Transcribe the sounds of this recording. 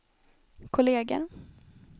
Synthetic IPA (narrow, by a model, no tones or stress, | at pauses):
kʰʊleːɡə̰ɾ